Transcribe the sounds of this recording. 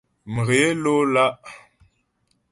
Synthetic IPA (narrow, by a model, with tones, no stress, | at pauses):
mə˨ɣe˨e˦lo˦la˦ʔ